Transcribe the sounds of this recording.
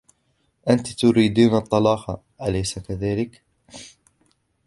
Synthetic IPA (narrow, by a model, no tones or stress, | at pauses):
ʔant̪t̪ʊɾiːd̪iːnɑt̪ˤːɑlɑːqɑ̰ | ʔalajsakaðaːlɪk